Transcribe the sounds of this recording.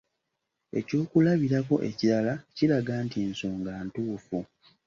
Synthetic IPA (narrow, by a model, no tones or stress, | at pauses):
e̞̰co̞ːkulaβiɾako̞ʔe̞̰ciɾalaciɾaɡaːntinsoːŋɡaːntuːfu